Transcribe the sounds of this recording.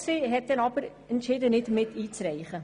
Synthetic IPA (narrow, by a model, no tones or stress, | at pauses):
seɦɛttːɛnɑpəɾ | ənt͡ʃɛdənɛtmɛtitsrɛjχə